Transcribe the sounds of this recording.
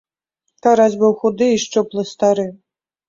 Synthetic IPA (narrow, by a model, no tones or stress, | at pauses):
t̪aɾazʲbɨwxud̪ɨiʂt͡ʂɨplˠɨst̪aɾɨ